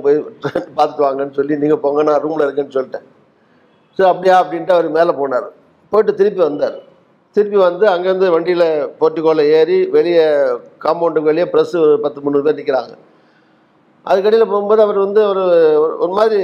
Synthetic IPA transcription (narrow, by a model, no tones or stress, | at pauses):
poːjʈɾɛnpaːɾt̪ɯʈ̪ːɯʋaːŋɡɐnːɯsɔlːiniːŋɡɐpoːŋɡɐnːãːɾuːmlɐɪɾɯkːenːɯsɔlːɪʈːẽ | sɐːɾɐpːɐɽɪjaːɐpːɐɽɪnʈɯɐʋɐɾɯmeːlɐpoːnaːɾɯ̰ | poːjɪʈːɯt̪ɪɾɯpːiʋɐnd̪aːɾ | t̪ɪɾɪpːiʋɐnd̪ɯɐŋɡeːʋɐnd̪ɯʋɐɳɖɪjɪlɐpoːʈːiɪkːoːlɐeːɾiʋɛɭɪjɐkaːmɐːɳɖɯkʋɛɭɪjɐpɪɾɐsɯɔɾɯpɐt̪ːɯmʊnːɯːpeːɾnɪkːɪɾa̰ːŋɡɐ | ʔɐ̰ðɯkːɐɽɐɪjɪlɐpoːɣɯmboːðɯɐʋɐɾʋɐnd̪ɯɐʋɐɾɔɾɯmaːðɾi